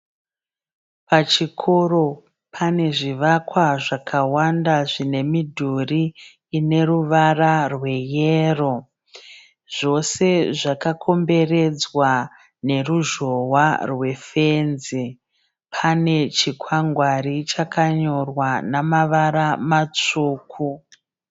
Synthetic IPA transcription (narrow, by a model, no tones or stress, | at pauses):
pat͡ʃikʰo̞ro̞ | pʰane̞ʐiʋakwaʐakʰawandaʐine̞midʱuriː | ne̞ruʋararwe̞jeːro̞ | ʐ̥o̞se̞ʐakakʰo̞mbe̞re̞d͡zwa | ne̞ruʒo̞warwe̞fenzi | pʰane̞t͡ʃikʰwaŋɡwaɾit͡ʃakaɲo̞rwanamaʋaɾamat͡ʂuːkʰu